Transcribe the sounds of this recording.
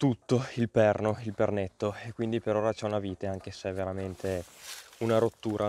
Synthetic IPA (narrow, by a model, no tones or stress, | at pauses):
t̪ut̪ːoilpɛrnoilpernet̪ːoekwind̪ipeɾoːɾat͡ʃɛunaviːt̪eaŋk̟esɛvːeɾament̪ʰeunaɾot̪ːuːɾʔa